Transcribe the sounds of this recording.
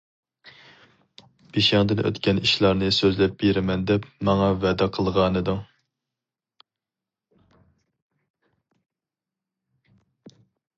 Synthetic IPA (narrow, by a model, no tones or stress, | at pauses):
biʃɑŋd̪ɨnʔø̰t̪kʲʰɛniʃlˠɑɾnɨsøzlɛp̚b̥eɾɪmɛnd̪ɛpmɑŋɑvɛd̪ɛqʰəlˠʁɑnɨd̪u